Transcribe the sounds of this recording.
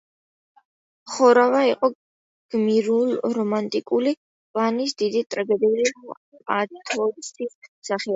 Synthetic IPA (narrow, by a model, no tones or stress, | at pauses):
χɔɾavaiqʼɔ | ɡ̥miɾulˠɾɔmant̪ʼikʼuli | pʼlanisd̪id̪it̪ʼɾbɛb̪ɛli | a̰d̪it̪ʰɔɾsisaχi